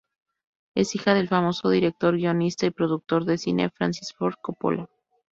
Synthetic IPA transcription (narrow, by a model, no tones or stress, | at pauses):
e̞sixaðe̞lfamo̞so̞ð̞iɾe̞k̚t̪o̞ɾɣio̞nist̪aipɾo̞ðuk̚t̪o̞ɾðe̞sinʔe̞̰fɾa̰nsisfo̞ɾð̚kopo̰lo